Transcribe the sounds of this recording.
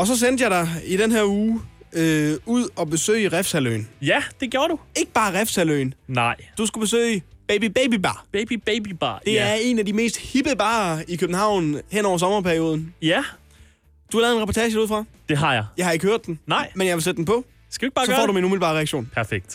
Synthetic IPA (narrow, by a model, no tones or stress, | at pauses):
ɒ̽s̬ɒ̽s̬en̰d̥jɑ̈ɪdɑ̈ɪid̥enɦeɐ̰uːøuð̰ˠɒ̽b̥e̝sø̰ɪʁafsælø̰ːnjæd̥e̝ɡ̥joːɐɾue̝ɡ̥əb̥ɑ̈ːʁɛfsæløɪnnɑɪ̰d̥usɡ̥ub̥e̝sø̰ɪb̥eɪb̥ib̥eɪbibɑ̈b̥eb̥ib̥eɪb̥ib̥ɑ̰d̥e̝æɐe̝næd̥ime̝̰ːsd̥hib̥əb̥ɑ̈ːikʰøb̥n̩hɑ̈ʊ̰nhenɒʊ̰ɐs̬ɒ̽mɐpʰæɐio̝ːð̞ˠn̩jæ | d̥uhɑlɛːðˠenʁɛpɒt͡sʰɛɕəduðˠfʁɑ̈ | d̥e̝ɦɑ̈jɑɪjɑ̈ɪhɑ̈e̝ɡ̥əhøɐ̰d̥ennɑɪ̰menjɑɪʋelsed̥̚d̥en̩pʰɒ̽ | skædueɡ̥̚ɑːsɒ̥ːɒ̰ːduminumilbɑ̈ːʁɛaɡɕo̝̰ːnpʰæɐfeɡ̥̚d̥